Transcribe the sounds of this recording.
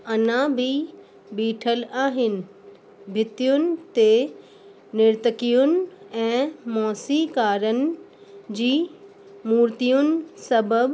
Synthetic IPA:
ɐnãbʱɪ | biːʈʰəlaːɦɪnɪ̆ | bʱɪt̪ijʊnɪ̆t̪e | nɪɾt̪əkijʊnɪ̆ɛ̃ːmɔːsikaːɾənɪ̆ | d͡ʑiː | muːɾt̪ijʊnɪ̆sɐbəb

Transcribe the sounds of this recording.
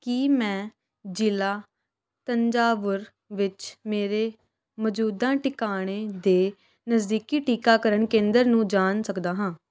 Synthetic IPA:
kiːmɛ̃ː | d͡ʒɪlaː | t̪əɲd͡ʒaːʋəɾ | ʋɪt͡ʃmeːɾeː | məd͡ʒuːd̪ãːʈɪkaːɽ̃eːd̪eː | nəzd̪iːkiːʈiːkaːkəɾəɳkẽːnd̪əɾnũːd͡ʒaːnsəkd̪aːɦãː

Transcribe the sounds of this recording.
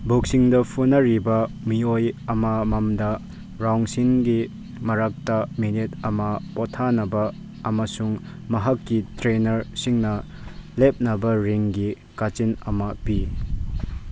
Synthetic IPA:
bok̚siŋdɐpʰunɐɾibɐ | miojɐmɐmɐmdɐ | ɾawŋsinɡi | mɐɾak̚tɐminitɐmɐpotʰanɐbɐ | ɐmɐsuŋ | mɐɦɐkːitɾenɐɾsiŋnɐ | lep̚nɐbɐɾiŋɡi | kat͡ʃinɐmɐpi

